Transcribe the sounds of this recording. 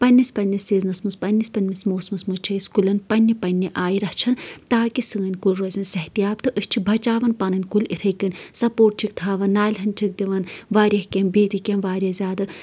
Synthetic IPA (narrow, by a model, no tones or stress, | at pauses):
pɐnʲːisʲpɐnʲːisiːznɨsmɨspɐnʲːispɐnʲmismoːsmɨsmɨt͡ʃʰeːsʲkulɐnpɐnʲːipɐnʲːiʔaːjiɾɐht͡ʃʰɐnt̪aːkisɨŋɐnʲkulʲɾozʲɐnsɐht̪ijaːpt̪ɨʔɨʃt͡ʃʰibʱɐt͡ʃaːʋɐnpɐnɐnʲkulit̪ʰɐjkɨnʲsɐpoːʈ̚t͡ʃʰik̚t̪ʰaːʋɐnnːaːlʲɦɐnʲt͡ʃʰik̚d̪iʋɐnʋaːɾʲjɐhkʲembeːt̪ikʲemʋaːɾʲjɐzʲaːd̪ɨ